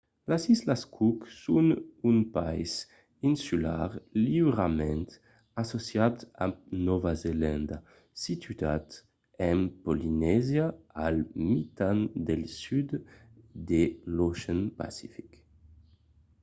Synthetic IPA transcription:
lasislaskʰuksunynpajs | insyla̰ʁlibɾamɛ̃nt̪ | asosjat̪a̰nɔvazelɛnd̪a | sit̪ʰyat̪ | ɛmpolinɛzjaalmit̪and̪elsyd̪d̪eloʃɛnpa̰sifi̥k

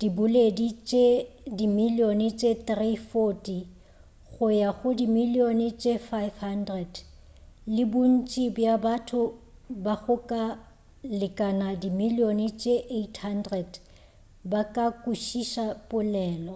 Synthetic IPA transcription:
d̥ibʊledit͡ʃʼedimilionɪt͡ʃʼet̪rifotʼi | ɣʊjaɣʊdimilionɪt͡ʃʼefajfhandrɛd | lɪbʊn̩t͡ʃʼibjabatʰʊbaɣʊkʼa | lɪkʼanadimilionɪt͡ʃʼeʔetʰhandrɛd | bakʼakʼuʃiʃapʼʊlɛːlɔ

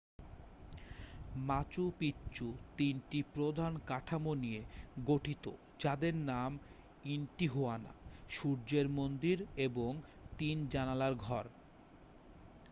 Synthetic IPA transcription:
mat͡ɕupitːɕut̪inʈipɾod̪ʱankaʈʰamonijeɡoʈʰit̪o̰ | d͡ʑad̪eɾnam | inʈiɦuana̰ʃuɾd͡ʑeɾmond̪iɾeboŋ | t̪ind͡ʑanalaɾɡʱɔɾ

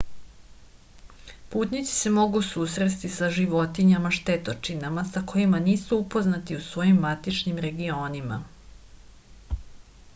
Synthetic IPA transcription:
puːt̪nit̪si̥se̞mo̞ɡusuːsɾest̪isaʒiʋo̞t̪iɲamaʃt̪et̪ot͡ʃinamasako̞imaniːsuupo̞znat̪iusʋo̞jimːat̪it͡ʃnimɾe̞ɡio̞ːnima̰

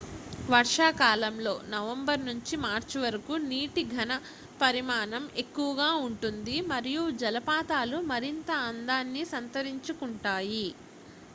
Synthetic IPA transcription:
ʋɐɾʂaːkaːlɐmlo̞ːnɐʋɐmbɐɾnuɲt͡ʃimaːɾt͡ʃiʋɐɾɐkuniːʈiɡʱɐnɐ | pɐɾimaːnɐme̞kːuʋɐɡaːuɳʈund̪imɐɾijud͡ʒɐlɐpaːt̪aːlumɐɾint̪ɐːnd̪aːnːisɐnt̪ɐɾiɲt͡ʃukuɳʈaːji

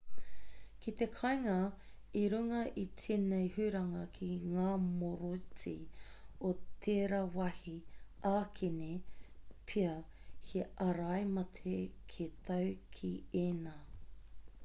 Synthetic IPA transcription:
kit̪ekʰɐjŋɐ | iɾuŋɐʔitʰinejhʉɾɐŋɐkʰiŋaːmoɾot͡si | ot̪ʰeːɾɐwɐhiaːkʰenepʰiɐhʰeʔɐɾɐjmɐtʰekʰet̪ʰɐwkʰieːnaː

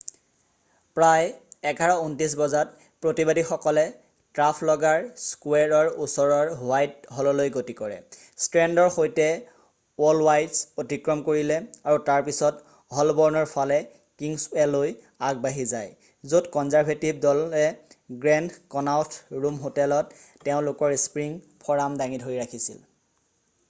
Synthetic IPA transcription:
pɹajɛɡʱaɹɔuntisbɔzat | pɹotibadixɔkɔlɛ | tɹapʰlɔɡaɹskwɛɹɔɹusɔɹɔɹwajt̚ɦɔlɔlojɡotikɔɹɛ̰ | stɹɛndɔɹxojtɛ | ɔlwajdsotikɹɔmkoɹilɛaɹutaɹpisɔt | ɦɔlbɔɹnɔɹpʰalɛ | kiŋsɛloj | aɡ̚baɦizaj | zotkɔnzaɹpetib̚dɔlɛɡɹɛndkɔnawtʰɹumɦotɛlɔtː | ɛʊ̃lʊkɔɹspɹiŋ | pʰɔɹamdaŋidʱoɹiɹakʰisḭl

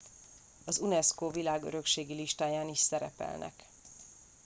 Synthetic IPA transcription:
ɒzunɛskoːvilaːɡø̰ɾø̞kʃeːɡiliʃt̪aːjaːniʃsɛɾɛpɛ̰lnʔɛ̰k

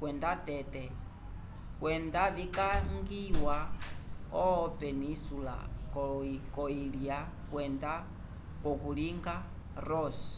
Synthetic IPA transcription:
kwɛndatɛtɛ | kwɛndaβikaŋɡiwa | ɔpɛnisula̰kɔkɔilia | kwɛnda | kɔkuliŋɡa | ɾɔsɔ̥

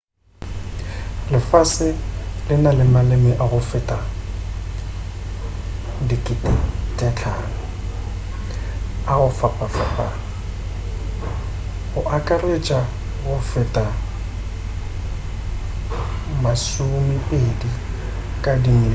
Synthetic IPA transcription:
lɪfasɪlɪnalɪmalɪmɪʔaɣʊfɪtʼa | dikʼɪtʼtʼɛt͡ɬʰa̰ːn̩ | aɣʊfapʼafapʼa̰ | ɣʊʔakʼaret͡ʃʼa | ɣʊfɪtʼa | masumɪpedi | kʼadiŋ

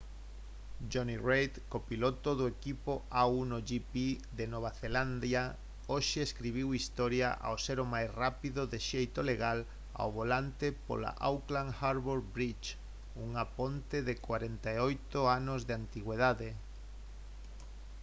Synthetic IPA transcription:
d͡ʒonirejt̪kopilot̪oðoekipoawnoʒipi | ðenoβ̞aθeland̪ja | oʃeeskɾiβ̞iwist̪ɔɾja̰ʔa̰wseɾomajsrapiðoðeʃejt̪oleɣal | a̰wβolant̪epo̰la̰ʔa̰wklaŋxaɾβoɾbɾit͡ʃ | uŋapont̪eðekwaɾent̪aojt̪oanozðeant̪iɣweðaðe

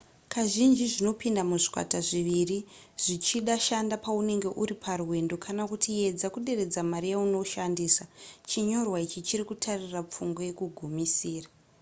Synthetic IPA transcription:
kaʒind͡ʒiʐino̞pindamuʐi̥kwa̰taʐiʋiriʐ̥it͡ʃiɗaʃandapaune̞ŋɡe̞ʔuɾipʰaruwe̞ndo̞kʰanakutie̞d͡zakuɗe̞ɾe̞d͡zamaɾijauno̞ʃandiːsat͡ʃiɲo̞rwait͡ʃit͡ʃiɾikutʰarirap͡fuŋɡajekuɡʱumisiːra

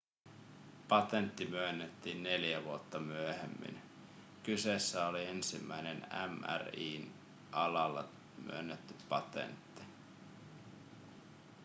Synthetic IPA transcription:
pɑt̪ent̪ːimyønːet̪ːiːnːe̞ljæʋuot̪ːɑmyøhḛmːḭn | kyse̞sːæolie̞nsimːæjnenæ̰mæ̰riːn | ʔɑlɑlːɑ̰ | my̰ønːet̪ːypɑt̪ḛnt̪ːi̥

